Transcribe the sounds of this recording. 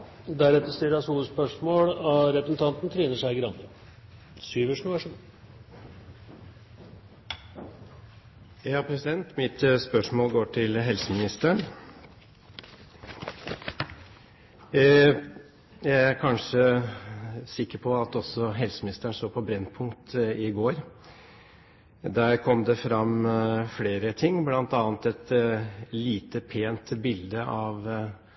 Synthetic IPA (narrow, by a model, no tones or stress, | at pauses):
d̪æɾɛt̪ːəst̪ɪləɑsuːləspœʂmoːɽɑɾɛpɾəsn̩t̪ʰɑnt̪nt̪ʰɾiːnəʂæɪɡɾɑnə | syːʋəʂnɑːʂʉd̪ | jɑːpʰɾɛsɪd̪ɛnt̪mɪt̪spœʂmoːlɡoːʈʰɪlɦɛlsəmɪnɪst̪əɳ | jæɪæɾkʰɑnʂə | sɪkːəɾpʰɔɑt̪ɔsɔɦɛlsəmɪnɪst̪əɳʂoːpʰɔbɾɛnːpʰʊŋkt̪ɪɡoːɾ | d̪æːɾkʰɔmd̪ɛfɾɑmfleːɾət̪ʰɪŋːblɑnt̪ɑːnt̪ɛt̪ | liːt̪əpʰeːnt̪bɪld̪əʔɑʋ